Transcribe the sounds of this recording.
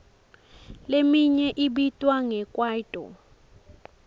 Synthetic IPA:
lemiɲɛʔiɓitʼwaŋɛkʼwaːtʼɔ̰

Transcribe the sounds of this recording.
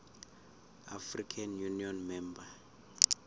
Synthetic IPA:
a̰frikʰanjuniɔnmɛmba

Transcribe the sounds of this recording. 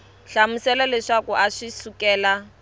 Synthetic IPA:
ɬamusɛlalɛʂakɔʔaʂisukɛːla

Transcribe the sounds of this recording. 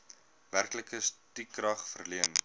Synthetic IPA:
værkləkəstikːrɐχfərliən

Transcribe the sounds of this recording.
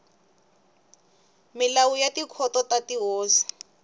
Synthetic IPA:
milawujatikʰɔtɔtatiɦɔːsi̥

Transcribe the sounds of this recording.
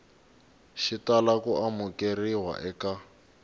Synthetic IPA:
ʃitalakuʔamukeriwa̰ʔɛka

